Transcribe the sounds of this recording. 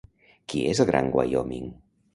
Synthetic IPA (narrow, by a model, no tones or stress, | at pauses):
kiezlˠɣɾʔaŋɡwa̰jɔmiŋ